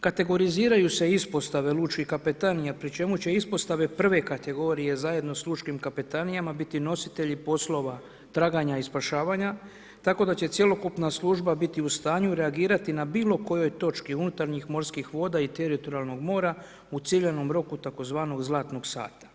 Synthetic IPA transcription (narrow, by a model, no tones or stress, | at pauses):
kat̪e̞ɡo̞ɾiziːɾajuːse̞ispo̞st̪aʋe̞lˠuːt͡ʃkihkapet̪anijapɾit͡ʃe̞mut͡ɕe̞ispo̞st̪aʋe̞pr̩ʋe̞kat̪e̞ɡo̞ːɾije̞zaje̞d̪no̞slˠuːt͡ʃkimkapet̪anijamabit̪ino̞si̥t̪e̞ʎipo̞slo̞ʋa | t̪ɾaːɡaɲaispaʃaːʋaːɲa | t̪ako̞d̪at͡ɕe̞t̪sʲje̞lo̞kupnaslˠuʒbabit̪iust̪aːɲuɾe̞aɡiːɾat̪inabiːlˠo̞ko̞jo̞jt̪o̞t͡ʃkiunut̪aɾɲixmo̞ɾskixʋo̞ːd̪ait̪eɾit̪o̞ɾalˠno̞ɡmo̞ːɾa | ut̪siʎeno̞mɾo̞kut̪ako̞zʋaːno̞ɡzlˠaːt̪no̞ɡsa̰ːt̪ḁ